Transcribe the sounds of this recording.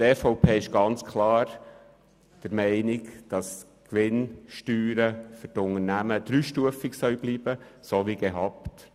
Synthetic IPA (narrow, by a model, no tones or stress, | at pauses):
tɛfoʊpʰeːɪʃɡ̥ɑnt͡skʰlɑːɾ | d̥əɾmɛɪnɪkd̥ɑs | kʋɪnʃtyːɾəfytʊnənæməd̪̥ɾyʃtuəfɪksœɥb̥liːb̥əsoʋiɡ̥ɛɦɑpt